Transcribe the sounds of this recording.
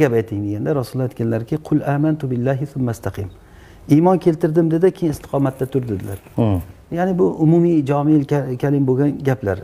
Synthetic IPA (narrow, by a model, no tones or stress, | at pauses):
ɡʲapajt̪ʰːɪŋd̪eɡʲand̪aɾasʊlˠːajt̪kʲanlaɾkʲʰɪqʰʊlaːmant̪ʊbɪlːaɦɪθʊmːast̪ʰɑqʰɨm | imɒnkʲʰe̞lt̪ɪɾd̪ɪmd̪ed̪ɪkʰʲejɪnɪst̪ɪ̥qʰɒmat̪̚ʰːat̪ʰʊɾd̪ɪd̪ɪlaɾ | janɪbʊʔʊmʊmijd͡ʒɒmɪlʲkʲʰalɪmboɡʲanɡʲapla̰ɾ